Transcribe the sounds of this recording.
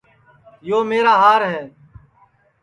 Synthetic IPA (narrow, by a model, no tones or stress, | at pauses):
joːmeːɾaːɦaːɾɦɛː